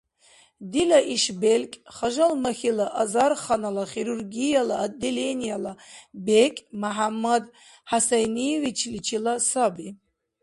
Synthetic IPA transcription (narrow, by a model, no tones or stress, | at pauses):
d̪ilaʔiʃbelkʲʼχaʒalmaχilaʔazarχanalaχiɾurɡijalaːd̪ilenijalabekʲʼmaħamːad̪ | ħasajnijevit͡ʃʰlit͡ʃʰilasabi